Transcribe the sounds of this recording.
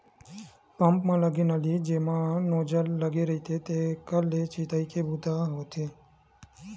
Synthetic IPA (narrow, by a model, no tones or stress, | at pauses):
pəmpmãləɡinəlid͡ʒemãnod͡ʒəlːəɡiɾəɦit̪ʰet̪ekəlːet͡ʃit̪aikebut̪aɦot̪ʰe